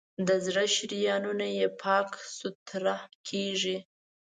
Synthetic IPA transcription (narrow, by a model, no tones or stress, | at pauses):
d̪əzɽəʃɾijɑnunajepʰɑksʊt̪ɾahkʰeʐi